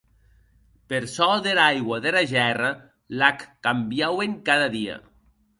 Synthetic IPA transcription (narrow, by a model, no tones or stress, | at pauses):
peɾsɔðeɾajɣwaðeɾaʒɛra | lakːambjaweŋkaðaðia̰